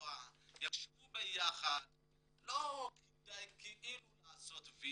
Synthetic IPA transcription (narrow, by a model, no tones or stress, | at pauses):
ajaχʃevubejaχad̪ | lokid̪ajkʰeʔilulaːsot̪vi